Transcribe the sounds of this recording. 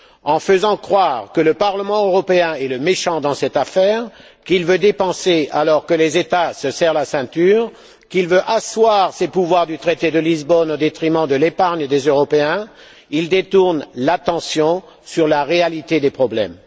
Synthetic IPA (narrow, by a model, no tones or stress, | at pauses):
ɑ̃fəzɑ̃kχwaːʁkələpaʁləmɑ̃øʁɔpeɛ̃ɛləmeʃɑ̃d̪ɑ̃sɛt̪afɛʁ | kilvød̪epɑ̃sealɔʁkəlezet̪asəsɛʁlasɛ̃t̪yːʁ | kilvøʔaswaʁsepuvwaʁd̪yt̪χet̪ed̪əlizbɔnod̪et̪χimɑ̃d̪əlepaʁɲd̪ezøʁɔpeɛ̃ | ild̪et̪uʁnlat̪ɑ̃sjɔ̃ | syʁlaʁealit̪ed̪epχɔblɛ̰m